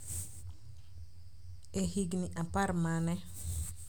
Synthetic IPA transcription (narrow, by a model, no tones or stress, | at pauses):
ehiɡniʔaparmanɛ